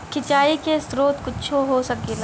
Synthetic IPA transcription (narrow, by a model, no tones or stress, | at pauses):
kʰɪt͡ʃaːikesɾoːt̪kʊt͡ʃʰoɦosɐk̚el